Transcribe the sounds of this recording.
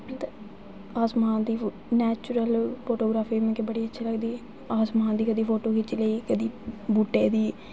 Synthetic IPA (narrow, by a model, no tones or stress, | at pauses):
t̪ː | aːsmaːnd̪iː | nɛːt͡ʃʊɾəlpʰoːʈoːɡɾaːfiːmɛ̃ːkeːbəɽiːətːʃʰeːləɡd̪iː | aːsmaːnd̪iːkəd̪iːpʰoːʈoːkit͡ʃleiːkəd̪iːbuːʈːeːd̪iː